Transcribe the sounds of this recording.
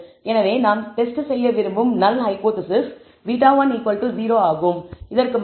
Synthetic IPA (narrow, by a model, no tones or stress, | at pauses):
ɛnɐʋeːnaːnt̪ɛsʈɯsɛjːɐʋɪɾɯmbɯmnɐlːɦɐɪpoːt̪ɪsɪs | ʋiːʈ̬ːaːʋaːnikːɐɭʈːɯziːɾoːaːɣɯmɪðɐrkɯm